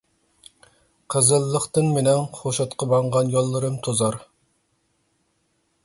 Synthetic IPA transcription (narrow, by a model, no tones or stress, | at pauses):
qʰəzɨlˠːəχt̪ɨnmenɪŋχoʃɑt̪qʰɑbɑɴʁɑnjɑlˠːəɾɨmt̪ʰozɑɾ